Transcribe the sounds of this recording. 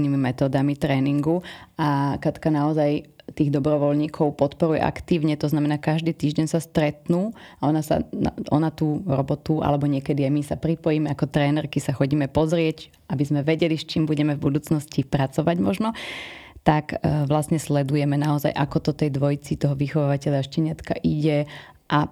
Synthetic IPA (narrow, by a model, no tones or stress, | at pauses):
niːmimɛt̪ɔːd̪amit̪ɾɛːniŋɡuakat̪kanaɔzajt̪iːɣd̪ɔbɾɔʋɔlɲiːkʰɔʊpɔt̪pɔɾujɛ̰ʔa̰kt̪iːʊɲɛt̪ɔznamɛnaːkaʒd̪iːt̪iːʒɟɛnsast̪ɾɛt̪nuːaɔnasa̰a̰ʔɔ̰nat̪uːɾɔbɔt̪uʔa̰lɛbɔɲɪɛkɛd̪iajmisapɾipɔjimɛakɔt̪ɾɛːnɛɾkisaxɔɟiːmɛpɔzɾɪɛc | abizmɛʋɛɟɛliʃt͡ʃiːmbuɟɛmɛvbud̪uːt͡snɔscipɾat͡sɔʋaɟmɔʒnɔt̪akʋlasɲɛslɛd̪ujɛmɛnaɔza̰jʔakɔt̪ɔt̪ɛjd̪ʋɔjt͡sit̪ɔɦɔʋixɔʋaːʋacɛʎaʃcɛɲɪat̪ka̰ʔiɟɛ | ʔa